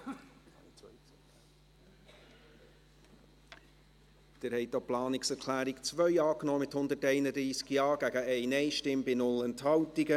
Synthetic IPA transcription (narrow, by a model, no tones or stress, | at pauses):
d̪̥ɪɾhɛɪtoplɑːnɪksɛɾkʰlæːɾɪkt͡svœʏɑːknɔːmɪthʊndətɛɪnəd̪ɾiːsɡjɑːɡ̥æɡəɛɪnɛɪʃtɪmbɪnʊlɛnthɑltiɡə